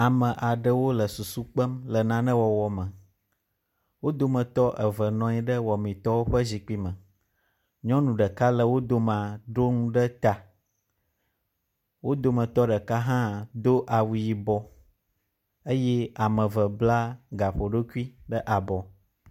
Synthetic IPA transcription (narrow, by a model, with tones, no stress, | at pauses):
a˨mə̃˨ʔa˨ɖə˦wo˦lə˨su˨su˦k͡pə˦mlə˨nã˦nə̃˦wɔ˨wɔ˨mə̃˨ | wo˦d̪o˦mə̃˨t̪ɔ˦ʔə˨və˨nɔ̃˨ji˦ɖə˦wɔ˨mĩ˨t̪ɔ˦wo˦ɸə˦zi˨k͡pi˦mə̃˨ | ɲɔ̃˦nũ˨ɖə˨ka˦lə˨wo˦d̪o˦m˨ã˨ɖo˦nũ˦ɖə˦t̪a˨ | wo˦d̪o˨mə̃˨t̪ɔ˦ɖə˨ka˦ɦã˦d̪o˦ʔa˨wu˨ji˨bɔ˦ | ə˦jɛ˦a˨mə̃˨və˨bla˦ɡa˨ɸo˨ɖo˦ku˦i˦ɖə˦ʔa˨bɔ˨